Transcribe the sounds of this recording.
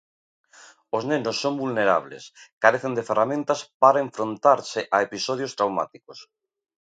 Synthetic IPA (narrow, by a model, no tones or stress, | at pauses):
oznenosːõŋbulneɾa̰β̞lḛskaɾeθend̪eferamẽnt̪aspaɾaeɱfɾõnt̪aɾseʔaepisoð̞jost̪ɾawma̰t̪ikos